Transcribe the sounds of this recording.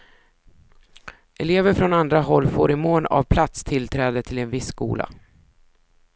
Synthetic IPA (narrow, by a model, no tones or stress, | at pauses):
ʔɛleːvəɾfɾɔnand̪ɾaɦɔlːfo̰ːɾɪmoːna̰vpʰlat̪st̪ʰɪlt̪ʰɾɛːd̪ət̪ʰɪlɛnvɪsːkṵːlʔa̰